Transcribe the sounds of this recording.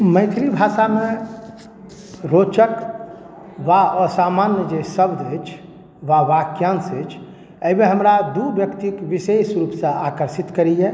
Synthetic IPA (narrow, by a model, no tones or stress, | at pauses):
mə̃ɪt̪ʰɾibʱaʃame | ɾot͡ʃək | ʋasamanjəd͡ʒesəbd̪ət͡ʃʰ | ʋaʋakjansət͡ʃʰ | əimeɦəmɾad̪ubjəkt̪ikʋisesɾupsə̃akəɾsit̪kəɾije